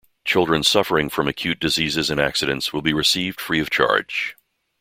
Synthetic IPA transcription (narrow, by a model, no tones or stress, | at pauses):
t͡ʃʰɪlˠdɹɨ̃n̥sʌfə˞ɪ̃ŋfɹʌ̃mɨkʰj̥ʉt̚d̥ɨzizɨzɨ̃næ̰ksɨɾɨ̰̃ntswəlˠbiɹɨsivd̥fɹiʌv̥t͡ʃʰɑ̰ɹd̥ʒ̥